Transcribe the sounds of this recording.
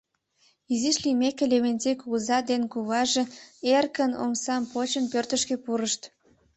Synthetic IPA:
iziʃlimekeleβenʲzekuɣəzɑd̪enkuβɑʒeerkəno̰msɑmpot͡ɕənpørt̪əʃkĕpuɾəʃt̪

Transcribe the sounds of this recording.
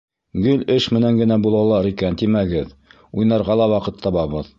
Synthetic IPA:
ɡɵlʲɘʃmɘ̆næŋɡɘ̆næbulˠɑlˠɑɾikænt̪imæɡɘð | ujnɑɾʁɑlˠɑwɑqɤt̪ʰːɑβɑβɤð

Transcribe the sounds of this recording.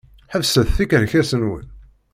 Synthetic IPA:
ħəvsæðθikəɾçæsənwə̰n

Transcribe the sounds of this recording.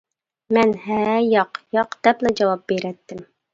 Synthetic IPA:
mɛnhɛjɑqjɑqd̪̥ɛplɛd͡ʒɑwɑp̚b̥eɾɛt̪ʰːɪm

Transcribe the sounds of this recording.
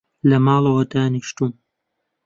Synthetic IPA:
lɐmɑːlˠɐwɐd̪aːniʃt̪uːm

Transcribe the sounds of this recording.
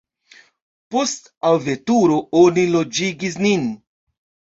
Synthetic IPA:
post | awvetuɾoonilod͡ʒiɡis̬nin

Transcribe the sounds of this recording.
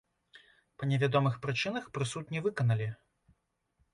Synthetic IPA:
pɐnʲɛvʲad̪ɔmɨxpɾɨt͡ʂɨnɐxpɾɨsut̪̚ʲnʲivɨkɐnɐlʲi

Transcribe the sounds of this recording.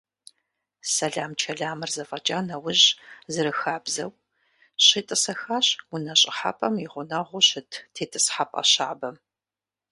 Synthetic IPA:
sɐɮaːmt͡ʃʰɐɮaːmɨrzɐfʼɐt͡ʃʼaːnɐwʊʑzɨɾɨxaːbzɐw | ɕɪtʼɨsɐxaːɕwʊnɐɕʼɪħa̰pʼɐmiʁʷʊnɐʁʷʊɕɪtʰtʰeːtʰʼɨsħapʼɐ̰ɕa̰ːbɐm

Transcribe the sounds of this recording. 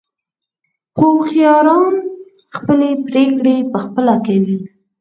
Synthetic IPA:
xoxijɑɾɑn | xpəlepɾekɽepəxpəlakawi

